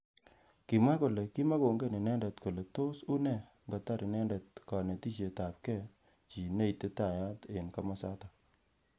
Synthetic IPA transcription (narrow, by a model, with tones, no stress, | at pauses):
ki˨ma˦ko˨le˨ki˦ma˦ko˨ŋɡe˦ni˨nɛ˦ndɛ˨tko˨le˨to˦su˦nɛ˦˨ | ŋɡa˨ta˦ɾi˨nɛ˦ndɛ˨t̚kɔ˨ne˨ti˦ʃe˨ta˨p̚kɛ˦˨ | t͡ʃi˨ne˦i˨te˦ta˨ja˦te˨nka˦ma˦sa˦ta˨